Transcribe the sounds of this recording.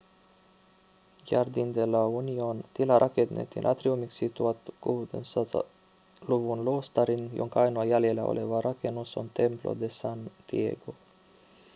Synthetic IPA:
jard̪ind̪elauniont̪ilaɾʔaked̪nḛt̪ḭnʔa̰t̪ɾiomiksit̪uat̪ɡ̥ovud̪əns | luvunlost̪aɾinjo̰ŋkɑjnuajalielao̰lʔevaɾʔakenusont̪emplo̰d̪esant̪iḛɡo

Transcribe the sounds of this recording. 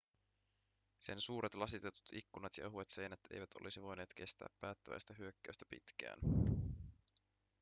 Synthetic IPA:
se̞nsuːɾʔet̪lɑsit̪e̞t̪u̥t̪ikːunɑt̪jɑ̰ʔeɦuet̪se̞jnæt̪e̞̰jʋæt̪ʰo̞̰lisiʋo̞jne̞ːt̪k̟e̞st̪æ̰ːpːæːt̪ːæʋæ̰jst̪æɦyø̞kːæɥst̪æpḭt̪kæ̰ːn

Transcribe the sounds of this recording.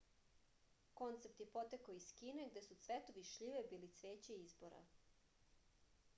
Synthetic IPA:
ko̞nt̪sep̚t̪jepo̞t̪ekaoiskineɡd̪e̞sut̪sʋet̪oʋiʃʎiʋebiːlit̪sʋeːt͡ɕeizboɾa̰

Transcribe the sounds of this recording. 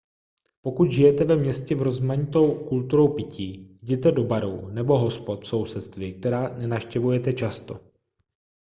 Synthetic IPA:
po̞kut̪ʒɪjɛt̪ɛvɛmɲɛscɛvɾo̞zmaɲɪt̪o̞wkult̪uɾo̞wpɪciːɟɛt̪ɛdo̞baɾo̰wnɛbo̞ɦo̞spot̪fso̞wsɛt̪st̪vɪk̚t̪ɛɾaːnɛnafʃcɛvujɛt̪ɛt͡ʃast̪o̞̰

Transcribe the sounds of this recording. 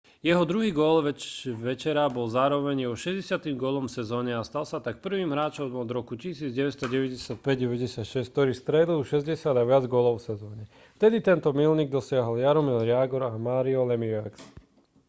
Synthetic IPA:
jɛɦɔd̪ɾuɦiːɡɔlʋɛʋɛt͡ʃɛɾabɔlzaːɾɔʋɛɲjɛɦɔʃɛzɟɛsɪat̪imɡʊɔlɔmfsɛzɔːɲɛast̪alsat̪ak̚pr̩ʋiːmɦɾaːt͡ʃɔmɔd̪ɾɔkucisiːd͡zɟɛʋɛst̪ɔɟɛʋɛɟɛsɪat̪̚pɛɟɟɛʋɛɟɛsɪat̪ʃɛsk̚t̪ɔɾiːst̪ɾɛd̪liuʃɛzɟɛsɪad̪aʋɪad͡zɡɔlɔʊfsɛzɔːɲɛ | ft̪ɛd̪it̪ɛnt̪ɔmilniɡ̚d̪ɔsɪaɦɔljaɾɔmilɾɪaːɡɔɾamaːɾiɔlɛmiɛks

